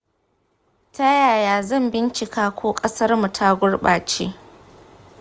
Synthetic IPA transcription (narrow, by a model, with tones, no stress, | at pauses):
ta˦jaː˨jaː˨zɐ˦˨mbɪ˦nt͡ʃɪ˨kaː˦kʷʰoː˦kʼɐ˦sɐ˦rmu˨tʰa˦ɡʷʊ˦ɽɓa̰ː˨t͡ʃḛ˦